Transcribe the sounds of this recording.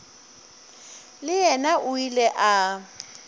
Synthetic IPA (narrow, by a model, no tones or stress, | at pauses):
lɪɛnaʔʊilɛʔa